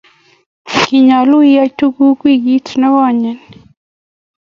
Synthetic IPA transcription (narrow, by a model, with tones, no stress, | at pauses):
ki˨ɲa˨lu˦i˦a˦tu˦ɡu˦kwi˦ɡi˦tnɔ˦ɡɔ˦˨ɲɛ˨n